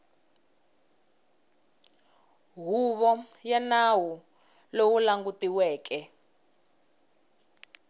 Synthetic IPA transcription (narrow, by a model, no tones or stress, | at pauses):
ɦuβɔjanawu | lowulaŋɡutiwɛːkɛ